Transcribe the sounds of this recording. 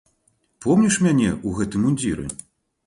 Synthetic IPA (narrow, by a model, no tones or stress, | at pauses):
pɔmnʲiʂmʲanʲɛʔuɣɛt̪ɨmunʲd͡zʲiɾɨ̰